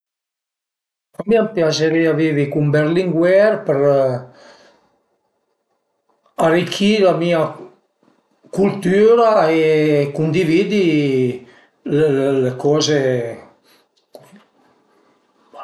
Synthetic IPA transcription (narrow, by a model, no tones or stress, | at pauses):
amiampjaseɾiaviːvikumbeɾliŋɡwɛɾpəɾ | arikʰːilamiːa | kult̪yːɾaekund̪iviːd̪i | lelekɔːze